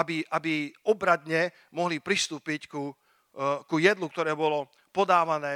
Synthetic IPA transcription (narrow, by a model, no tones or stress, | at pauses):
abiʔabiɔbɾad̪ɲɛ | mɔɦlipɾist̪uːpicku | kujɛd̪luk̚t̪ɔɾɛːbɔlɔ | pɔd̪aːʋanɛː